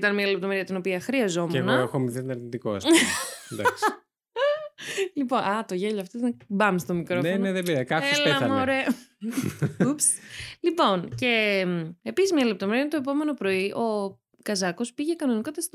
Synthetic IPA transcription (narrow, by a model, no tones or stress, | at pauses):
t̪ɐnmiɐlep̚t̪o̞meɾiɐt̪ino̞piɐxɾiɐzo̞menɣoɐexomiθet̪onɐɾnit̪iko̰sd̪as | lipo̞nɐt̪o̞ʝeʎoɐft̪oznɐbɐmst̪omikɾoneneðebiɾkɐesleɐmoɾe | upslipo̞nce̞mepisizmiɲɐle̞p̚t̪ome̞ɾiɐɐnt̪oep̬ome̞no̞pɾo̞iʔo̞ | kɐzɐko̞spiʝe̞kɐno̞nikot̪ɐst̪u